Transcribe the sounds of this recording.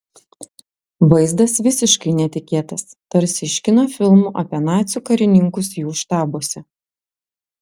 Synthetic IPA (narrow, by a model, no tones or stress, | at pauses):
ʋɐɪzd̪ɐsʋʲɪsʲɪʃkɐɪnʲɛt̪ʲɪkʲeːt̪ɐst̪ɐɾʲsʲɪʃʲkʲɪnofʲɪlˠmuʔɐpʲiɛnɑːt̪sʲʊkɐɾʲɪnʲɪŋkʊsjuːʃt̪ɑːboɔsʲɛ